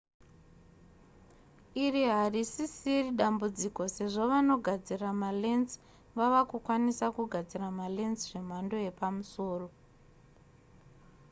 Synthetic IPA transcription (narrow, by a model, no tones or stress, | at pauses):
iriɦarisisiriɗambud͡ziko̞se̞ʐo̞ʋano̞ɡʱad͡ziramalenz | ʋaʋakukwanisakuɡʱad͡ziramale̞nzʐe̞m̤ando̞je̞pamuso̞ːro̞